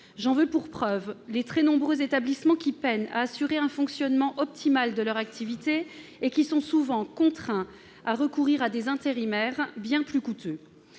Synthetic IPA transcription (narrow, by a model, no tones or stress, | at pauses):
ʒɑ̃vøpuʁpχœvlet̪χɛnɔ̃bʁøzet̪ablismɑ̃kʲipɛna̰ːsyʁeɛ̃fɔ̃ksjɔnmɑ̃ʔɔp̚t̪ʰimald̪əlœʁak̚t̪ʰivit̪eːkʲisɔ̃suvɑ̃kɔ̃t̪χɛ̃ | aʁəkuʁiʁad̪ezɛ̃t̪eʁimɛʁbjɛ̃plykut̪ø